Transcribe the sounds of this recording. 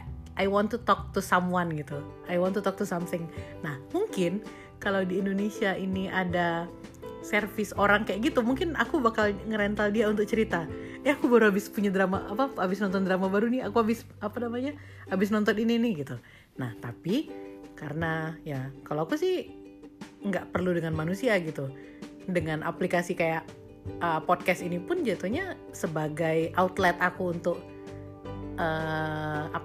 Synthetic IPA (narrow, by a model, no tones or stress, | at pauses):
ʔajwɔnt̪ut̪ɔk̚t̪usamwanɡit̪u | ajwɔnt̪ut̪ɔk̚t̪usamθɪŋnahmuŋkɪn | kalawdiːndonesiaʔiniʔada | sɛrfɪsoɾaŋkajaʔkɡit̪umuŋkɪnakubakalŋəɾɛnt̪aldiaunt̪ʊk̚t͡ʃəɾit̪aɛakubaɾuɦabɪspuɲadɾama̰ʔapaabɪsnɔnt̪ɔndɾamabaɾunɪakuabɪs | apanamaɲa | abɪs̬nɔnt̪ɔnininɪɡit̪u | naht̪apikaɾənajakaloakusɪh | ŋɡaʔpərludəŋanmanusiaɡit̪u | dəŋanʔa̰plikasikajaʔ | əpɔd̚kɛst̪inipʊnd͡ʒat̪uɲa | səbaɡajaut̪lɛt̪akuːnt̪ʊk̚ | ə | a